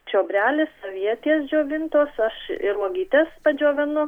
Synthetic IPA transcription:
t͡ʃʲoːbʲɾʲæːlʲɪssoːʋʲiɛt̪ʲiɛsd͡ʒʲoːʋʲɪnt̪oːsɐʃɪɾmuɔɡʲiːt̪ʲɛspɐd͡ʒʲoːʋʲɪnʊ

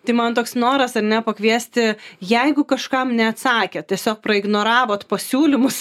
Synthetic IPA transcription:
t̪ɐɪmɐnt̪oːksnoːɾɐsɐɾnʲɛpɐkʋʲiɛsʲt̪ʲɪjɛɪɡʊkɐʃkɐmnʲɛɐt̪sɑːkʲɛt̪ʲiɛsʲoːk̚pɾɐɪɡnoːɾɑːʋoːt̪pɐsʲuːlʲɪmʊs

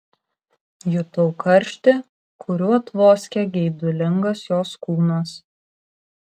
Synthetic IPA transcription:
jʊt̪ɔʊkʰɐɾʲˑʃʲt̪ʲɪ | kʰʊɾʲuːɐt̪ʋoːsʲkʲɛɡʲɛɪd̪ʊlʲɪŋɡɐsjoːskuːnɐs

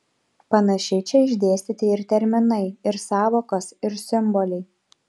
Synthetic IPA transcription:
pɐnɐʃʲɛɪt͡ʃʲɛɪʒʲd̪ʲeːsʲt̪ʲɪt̪ʲɪɪɾt̪ʲɛɾʲmʲɪnɐɪɪɾsɑːʋoːkosɪɾsʲɪmbɔlʲɛɪ

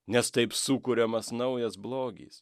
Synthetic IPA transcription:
nʲɛst̪ɐɪpsuːkʊɾʲɛmɐsnɐʊjɛsblˠoːɡʲḭːs

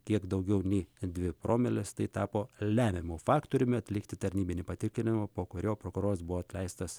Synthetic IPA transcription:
kʲiɛkd̪ɐʊɡʲɛʊnʲɛɪd̪ʲʋʲɪpɾoːmʲɛlʲɪst̪ɐɪt̪ɑːpoːlʲæːmʲɪmoːfɑːkt̪oːɾʲʊmʲɪɐt̪ʲlʲɪkt̪ʲɪt̪ɐɾʲnʲiːbʲɪnʲiːpɐt̪ʲɪkʲlʲɪnʲɪmɐpoːkʊɾʲoːpɾokʊɾoːɾɐsbʊʋoːɐt̪ʲlʲɛɪst̪ɐs

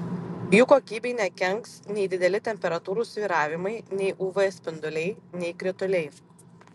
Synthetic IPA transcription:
juːkoːkʲiːbʲeɪnʲɛkʲɛŋksnʲɛɪd̪ʲɪd̪ʲɛlʲɪt̪ʲɛmʲpʲɛɾɐt̪uːɾuːsʲʋʲiːɾɑːʋʲɪmɐɪnʲɛɪʔuːʋɛsʲpʲɪnd̪ʊlʲɛɪnʲɛɪkɾʲɪt̪ʊlʲɛɪ

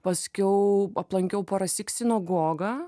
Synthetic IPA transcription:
pɐsʲkʲɛʊɐplˠɐŋʲkʲɛʊpɐɾɐsʲɪksʲɪnoːɡoːɡɐ

